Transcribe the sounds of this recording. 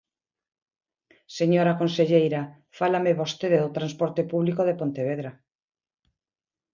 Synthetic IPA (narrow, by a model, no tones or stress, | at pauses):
seɲoɾakonseʎejɾa | falameβost̪eðeðot̪ɾanspoɾt̪epuβlikoðepont̪eβ̞eðɾa